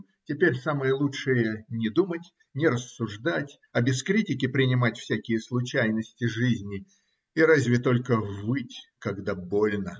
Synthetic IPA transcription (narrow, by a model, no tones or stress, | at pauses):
tʲɪpʲeɾʲsamɨjəlˠutʂɨjənʲɪd̪umətʲ | nʲɪɾəsːʊʐd̪atʲ | ɐbʲɪskɾʲitʲɪkʲɪpɾʲɪnʲɪmatʲfsʲækʲɪjəslˠʊt͡ɕæjnəsʲtʲɪʐɨzʲnʲɪ | iɾazʲvʲɪt̪o̞lʲkəvɨtʲkɐɡd̪abolʲnə